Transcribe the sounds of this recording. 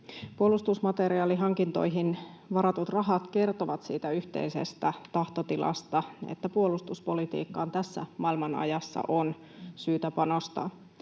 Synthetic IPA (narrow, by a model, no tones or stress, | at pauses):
puolust̪usmɑt̪eɾiɑːliɦɑŋkint̪o̞̰jɦinʋɑɾɑt̪ut̪rɑɦɑt̪ke̞rt̪oʋɑt̪siːt̪æyht̪e̞̰ise̞st̪æt̪ɑht̪o̞t̪ilʔɑ̰st̪ɑḛt̪ːæpuolust̪uspo̞lit̪ḭːkːɑːnt̪æsːæ̰mɑilmɑnɑ̰jɑsːɑ̰ʔon | syːt̪æpɑno̞st̪ɑ̰